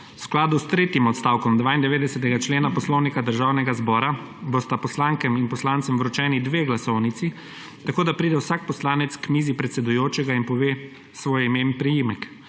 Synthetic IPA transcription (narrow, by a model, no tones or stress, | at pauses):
wsklaːd̪ust̪ɾeːt̪jimɔt̪st̪aːwkɔmd̪ʋaːind̪ɛʋeːd̪ɛsɛt̪ɛɡat͡ʃleːnapɔslɔwnikad̪əɾʒawnɛɡazbɔːɾa | bost̪apɔslaːŋkɛminpɔslaːnt̪sɛmvɾɔt͡ʃɛːnid̪ʋeːɡlasɔwnit̪si | t̪akoːd̪apɾiːd̪ɛwsak̚pɔslaːnɛt̪skmiːzipɾɛt̪sɛd̪ujoːt͡ʃɛɡainpɔʋeː | sʋoːjimenpɾijimɛk